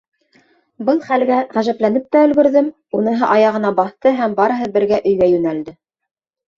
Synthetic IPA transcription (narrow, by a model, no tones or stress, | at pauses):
bɤlˠχælɡæʁæʒæplænɘp̚t̪æɵ̆lɡɵ̆ɾðɘm | unɤ̆ɦɤʔɑjɑʁɤ̆nɑbɑθt̪ɤɦæmbɑɾɤ̆ɦɤbɘ̆ɾɡæʔɵ̆jɡæjʉnæld̪ɘ